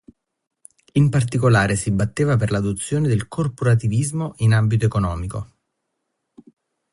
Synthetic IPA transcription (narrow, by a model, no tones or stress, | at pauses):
impart̪ikolaːɾesibːat̪ːeːvaperlad̪ot̪sːjoːned̪elkʰorpoɾat̪ivizmoʔinambit̪oekonɔːmiko